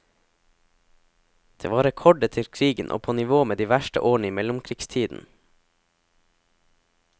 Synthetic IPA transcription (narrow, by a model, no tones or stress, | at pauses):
d̪̥ḛːʋɑːɾɛkʰɔɖət̪ʰɪlkʰɾiːɡənʔo̰ːpʰoːnɪʋoːmeːd̪iːʋæʃʈə̰ʔoːɳ̩əiːmɛlʊmkʰɾiːɡst̪ʰiːd̪n̩